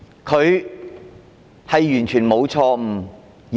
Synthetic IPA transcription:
kʰɵ˨˧ɥ | hɐ˨jːyː˨˩nt͡ʃʰyː˨˩nmo˨˧wt͡sʰɔː˧m̩˨˩

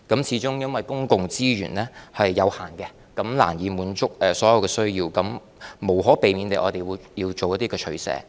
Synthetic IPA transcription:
kɐ˨˥mt͡sʰiː˨˥t͡ʃʊ˥ŋjɐ˥nwɐ˨˩jkʊ˥ŋkʊ˨ŋt͡siː˥ɥy̰ː˨˩nlɛː˥hɐ˨jːɐ˨˧whaː˨˩nkɛ˧ | kɐ˨˥mla̰ː˨˩njiː˨˧muː˨˥nt͡sʊ˥k̚ɛː˨sɔː˨˥jɐ˨˧wkɛː˧sɵ˥ɥjiː˧wkɐ˨˥m | mo˨˩wɦɔː˨˥pe˨jmiː˨˧nt̪e˨˩ʔɔː˨˧t̪e˨˩jwuː˨˧jjiː˧wt͡ʃo˨wjɐ˥t̪iː˥kɛː˧t͡ʃʰɵ˨˥sɛ̰ː˨˥

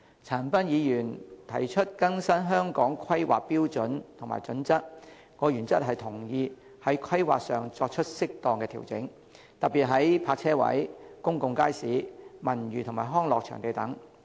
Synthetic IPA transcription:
t͡sʰaː˨˩npɐ˥njiː˨˧jyː˨˩nt̪ʰɐ˨˩jt͡ʃʰɵ˥t̚kɐ˥ŋsɐ˥nɦœː˥ŋkɔː˨˥ŋkʰɐ˥jwa̰ː˨k̚piː˥wt͡sɵ˨˥nt̪ʰʊ˨˩ŋma̰ː˨jt͡sɵ˨˥nt͡sɐ˥t̚ | ŋɔː˨˧jyː˨˩nt͡sɐ˥t̚ɦɐ˨jt̪ʰʊ˨˩ŋjiː˧ | hɐ˨˥jkʰwɐ˥jwa̰ː˨k̚sœː˨ŋt͡sɔː˧k̚t͡ʃʰɵ˥t̚sɪ˥k̚t̪ɔː˨˧ŋkɛː˧t̪ʰḭː˨˩wt͡sɪ˨˥ŋ | t̪ɐ˨t̚piː˨t̚ɦɐ˨˥jpʰaː˧k̚t͡sʰɛː˥wɐ̰˨˥jkʊ˥ŋkʊ˨˧ŋkaː˥jsiː˨˥mɐ˨˩nɥyː˨t̪ʰʊ˨˩ŋmaː˨˩jɦɔː˥ŋlɔː˨k̚t͡ʃʰœ̰ː˨˩ŋt̪e˨˧jt̪ɐ˨˥ŋ

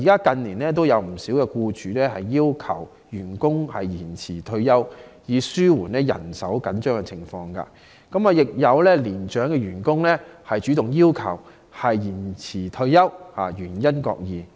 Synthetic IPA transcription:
i˨˩kaː˥kɐ˧nliː˨˩nlɛː˥t̪̬o˥wjɐ˨˧wm̩˨˩siː˨˥wkɛː˧kuː˧t͡ʃyː˨˦lɛː˥hɐ˨jːiː˥wkʰɐ̰˨˩w | jyː˨˩nkʊ˥ŋhɐ̰˨jjiː˨˩nt͡sʰiː˨˩t̪ʰɵ˧ɥjɐ˥wjiː˨˧syː˥wuː˨˩nɛː˥jɐ̰˨˩nsɐ̰˨˥wkɐ˨˥nt͡ʃœː˥ŋkɛ˧t͡sʰɪ˨˩ŋfɔː˧ŋka̰ː˧ | kɐ˨˥maː˨˧jɪ˨k̚jɐ˨˧wlɛː˥liː˨˩nt͡ʃœː˨˥ŋkɛː˧ɥyː˨˩nkʊ˥ŋlɛː˥hɐ˨jt͡ʃyː˨˥t̪ʊ˨ŋjiː˥wkʰɐ˨˩w | hɐ˨jjiː˨˩nt͡sʰiː˨˩t̪ʰɵ˧ɥjɐ˥whaː˨˩jyː˨˩njɐ˥nkɔ̰ː˧k̚jiː˨˧

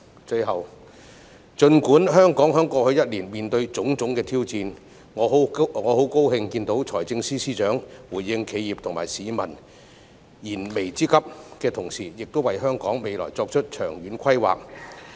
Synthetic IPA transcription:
t͡sɵ˧jɦɐ˨w | t͡ʃɵ˧nkuː˨˥nɦœː˥ŋkɔː˨˥ŋɦœː˥ŋkɔː˧k̚hɵ˧ɥjɐ˥t̚liː˨˩nmiː˨˩nt̪ɵ˧ɥt͡sʊ˨˥ŋt͡sʊ˨˥ŋkɛː˧t̪ʰi˥wt͡siː˧n | ŋɔː˨˧˨ŋɔː˨˧ho˨˥wko˥whɪ˧ŋkiː˧nt̪o˨˥wt͡ʃʰɔː˨˩jt͡sɪ˧ŋsiː˥siː˥t͡ʃœː˨˥ŋwuː˨˩jːɪ˧ŋkʰe˨˧jiː˨p̚t̪ʰʊ˨˩ŋmaː˨˩jsiː˨˧mɐ̰˨˩n | jiː˨˩nme˨˩jt͡siː˥kɐ˥p̚kɛː˧t̪ʰʊ˨˩ŋsiː˨˩jɪ˨k̚t̪o˥wɐ˨jɦœː˥ŋkɔː˨˥ŋme˨˧jlɔ̰ː˨˩jt͡sɔː˧k̚t͡ʃʰɵ˥t̚t͡ʃʰœː˨˩ŋɥyː˨˥nkʷʰɐ˥jwa̰ː˨k̚

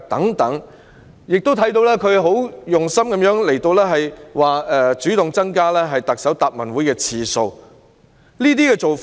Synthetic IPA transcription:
t̪ɐ˨˥ŋt̪ɐ˨˥ŋ | jɪ˨k̚t̪o˥wt̪ʰɐ˨˥jt̪o˧wlɛː˥kʰɵ˨˧ɥɦo˨˥wjʊ˨ŋsɐ˥mkɐ˨˧˥mjœː˨˥ŋle˨˩jt̪o˧wlɛː˥ɦɐ˨jwaː˨ɛ˧t͡ʃyː˨˥t̪ʊ˨ŋt͡sɐ˥ŋkaː˥lɛː˥ɦɐ˨jt̪ɐ˨k̚sɐ˨˥wt̪aː˨p̚mɐ˨˩nwuː˨˥jkɛː˧t͡sʰiː˨so˧w | liː˥t̪̬iː˥kɛː˧t͡so˨wf

